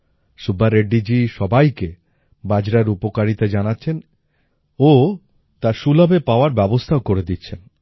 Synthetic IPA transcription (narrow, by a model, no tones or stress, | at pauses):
ʃubːaɾeɖːid͡ʑiʃɔbajke | bad͡ʑɾaɾupokaɾit̪ad͡ʑanatːɕʰen | o | t̪aɾʃulabepaoaɾbɛbost̪ʰaokoɾed̪itːɕʰen